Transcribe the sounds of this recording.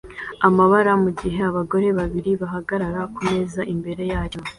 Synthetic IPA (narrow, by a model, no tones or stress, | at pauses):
amaβaɾamuɟiɦe̞aβaɡo̞ɾe̞βaβiɾiβaɦaɡaɾaɾakume̞zaʔimbe̞ɾe̞jaːjo̞